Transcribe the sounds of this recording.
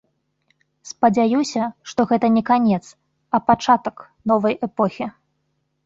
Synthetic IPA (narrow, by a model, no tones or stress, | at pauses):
spɐd͡zʲajusʲɐʂt̪ɔɣɛt̪ɐnʲɛkanʲɛt̪s | ɐpat͡ʂat̪ɐk | nɔvɐjɛpɔxʲi